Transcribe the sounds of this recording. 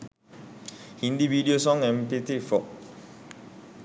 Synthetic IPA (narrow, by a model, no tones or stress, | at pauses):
hindividios̬ɔŋɛmpitifɔʔ̚